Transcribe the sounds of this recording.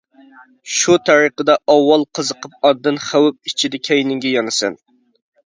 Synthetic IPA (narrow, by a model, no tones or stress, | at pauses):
ʃut̪ʰɑɾiqəd̪ɑʔɑwːɑlˠqʰəzəqʰəp̚ɑd̪ːɨnχæwɪp̚it͡ʃʰid̪ɛkʲʰɛjnɪŋɡʲɛjɑnɨsɛ̰n